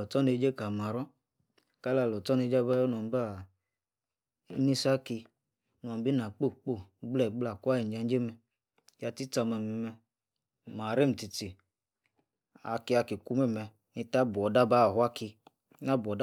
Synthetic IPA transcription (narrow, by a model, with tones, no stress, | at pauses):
ɔ˨tɔ˦ne˧˦d͡ʒe˦ka˨ma˨ɾɔ˦ | ka˦la˧˨lɔ˨tɔ˦ne˧˦d͡ʒa˦ba˦jɔ˦n˨ɔ˨m˦ba˦˨˦ | ni˦sa˦ki˧˦ | n˨ɔ˨m˦bi˦na˨k͡po˦˨k͡po˦˨˦ɡ͡blɛ˦˨ɡ͡bla˨kʷa˦i˨n˨d͡ʒa˧n˦d͡ʒe˦mɛ˧ | ja˧ti˦t͡sa˧mɛ˧mɛ˧mɛ˧ | m˨a˨ɾe˦m̩˨ti˧ti˨ | a̰˧ki˧a˧ki˨ku˦mɛ˦˨mɛ˧ | ni˧ta˦bɔ˨da˦ba˦˨hwa˦ki˧˦ | na˦bɔ˨d